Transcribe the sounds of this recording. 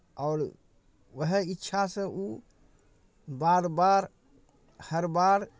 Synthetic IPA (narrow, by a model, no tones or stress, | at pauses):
ɔːɾ | ʋəɦəɪtːʃʰasə̃u | baːɾbaːɾ | həɾbaːɾ